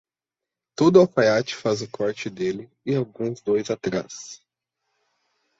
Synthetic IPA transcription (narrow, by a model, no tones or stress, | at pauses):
t̪od̪ʊafajat͡ʃɪ̥fazʊkɔɾt͡ʃɪd̪elɪ | ɪawɡũzd̪ojzat̪ɾas